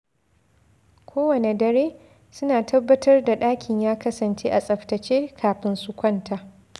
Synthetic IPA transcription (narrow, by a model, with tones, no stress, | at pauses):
kʷʰoː˦wɐ˨ne˨dɐ˨ɾeː˦ | sʊ˦naː˨tʰɐ˦bːɐ˦tʰɐ˦rda˨ɗaː˦kʲʰɪ˨ɲjaː˦kɐ˦sɐ˨nt͡ʃeː˦ʔa˨sʼɐ˨ɸtɐ˨t͡ʃeː˦kʰaː˨ɸɪ˦nsʊ˦kʷɐ˦ntʰa˨